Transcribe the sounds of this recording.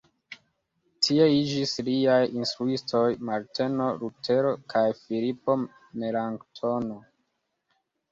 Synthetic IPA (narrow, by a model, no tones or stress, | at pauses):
tʰie̞id͡ʒisliajinstɾuistʰo̞jmaɾte̞no̞ɾutʰe̞ɾo̞kʰajfilipo̞ | melaŋktʰo̞no̞